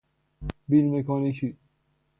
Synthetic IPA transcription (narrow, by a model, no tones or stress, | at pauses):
bilmekʰɔnikʰi